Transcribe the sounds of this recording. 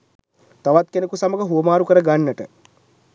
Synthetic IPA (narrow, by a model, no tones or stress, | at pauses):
t̪aʋat̪̚kenekusaməɡəɦuəmaːɾukəɾəɡanːəʈə